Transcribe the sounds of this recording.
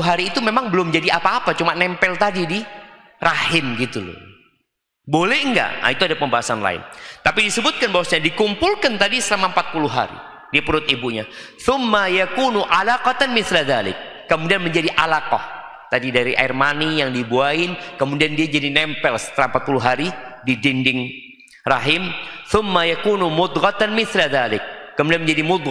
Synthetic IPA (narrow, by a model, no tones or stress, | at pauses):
ɦaɾiːt̪umemaŋbəlʊmd͡ʒadiapaːpat͡ʃumanɛmpɛlt̪adidi | ɾahɪnɡit̪ulʊ̰ | bolɛhŋɡa̰ʔa̰it̪uadapəmbaɦasanla̰ɪ̰nt̪apidisəbʊt̪̚kanbawasaɲadikumpʊlkant̪adisəlamampat̪̚pulʊɦa̰ɾḭ | diapəɾʊt̪ibuɲa | θʊmːajakunuʔalaqɑt̪anmɪθlaðalɪ̰kː | əmudianməɲd͡ʒadiʔalaqɔh | t̪adidaɾiʔa̰ɪrmanijaŋdibuaɪnkəmudiandiad͡ʒadinɛmpɛlsə̥t̪lampat̪̚puluɦaɾididindɪŋ | raɦɪmθʊmːajakunumʊd̪ɣɑt̪anmɪθlaðalɪk̚ːəmudianməɲd͡ʒadimʊd̪